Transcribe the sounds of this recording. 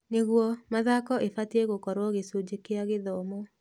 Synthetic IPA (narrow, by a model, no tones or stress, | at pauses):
neɣwɔmaðakɔʔefatieɣokɔɾwɔɣesud͡ʒekeaɣeðɔmɔ